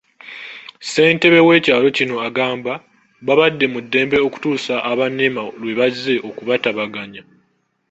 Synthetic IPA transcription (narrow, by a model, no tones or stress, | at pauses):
se̞ːnte̞βe̞we̞ːcaːlo̞cino̞aɡaːmba | βaβadːe̞mudːe̞ːmbe̞o̞ku̥tuːsaʔːβanːemalwe̞βaze̞ʔo̞kuβataβaɡaɲa